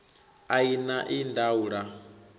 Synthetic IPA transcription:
ainaʔindauɺa

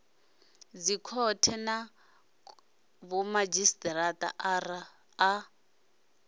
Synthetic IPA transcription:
d͡zikʰɔtʰɛna | βɔmad͡ʒistɾatʼa̰ʔra | a

